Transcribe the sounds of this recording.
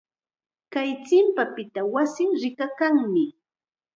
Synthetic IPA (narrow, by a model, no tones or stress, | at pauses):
kajt͡sɪmpapɪt̪awasɪŋɾɪkakaŋmɪ